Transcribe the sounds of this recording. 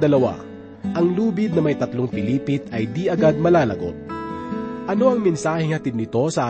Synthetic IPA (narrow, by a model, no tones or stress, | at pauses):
d̪ɐlɐwa̰ | ʔɐŋluːbɪd̪̚nɐmɐjt̪ɐt̪loŋpɪliːpɪt̪ɐjd̪iʔɐɡad̪̚mɐlaːlɐɡo̞̰t̪̚ | ʔɐno̞ɐŋmɛnsaːhɪŋhɐt̪ɪd̪̚nɪt̪o̞sɐʔaː